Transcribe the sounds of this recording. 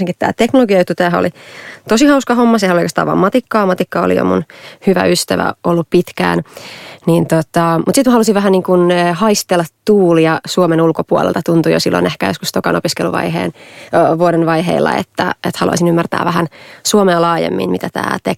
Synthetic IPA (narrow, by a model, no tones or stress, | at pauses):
seŋkit̪t̪æ̰ːt̪eknoloɡiɑjut̪ːut̪æːɦæo̰lit̪osihɑuskɑhomːɑsehnolikest̪ɑʋɑ̰ːmmɑt̪ikːɑːmɑt̪ikːɑo̰lḭjo̰mṵnhyʋæ̰yst̪æʋæ̰olːuppit̪kæ̰ːnnint̪ot̪ɑmut̪sit̪mæhɑlusiʋæɦæniːŋkunːhɑist̪elːɑt̪t̪uːlijɑsuomenulkopuo̰lḛlt̪ɑt̪unt̪ujo̰silːo̰nehkæjoskust̪okɑnopiskeluʋɑ̰ihḛːnʋuoɾenʋɑiɦḛilːɑ̰ḛt̪ːæet̪hɑlṵɑ̰isinymːært̪æ̰ːʋæɦænsuomeɑlɑːjḛmːḭnmit̪æt̪æ̰ːt̪ek